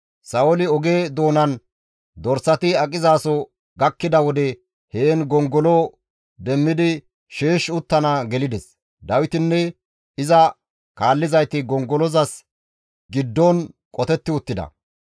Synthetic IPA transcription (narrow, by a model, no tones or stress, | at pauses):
sɐɔlɪɔɡe̞ːd̪o̞ːnɐn | d̪ɔɾsɐt̪ɪɐkʼɪzaːsɔ | ɡɐkːɪd̪ɐwɔd̪ɛ | heːnɡɔŋɡɔlɔ | d̪ɛmːɪd̪ɪ | ʃeːʃʊt̪ːɐnaɡɛlɪd̪ɛs | d̪ɐwɪt̪ɪnːɛ | ɪzɐ | kaːlːɪzɐjt̪ɪɡɔŋɡɔlɔzɐs | ɡɪd̪ːɔnkʼɔt̪ɛt̪ːɪʊt̪ːɪd̪ɐ̰